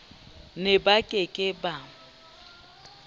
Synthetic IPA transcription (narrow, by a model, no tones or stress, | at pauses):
nɪbakʼekʼɪba